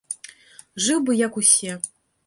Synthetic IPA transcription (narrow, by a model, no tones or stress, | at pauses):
ʐɨwbɨjɐkusʲɛ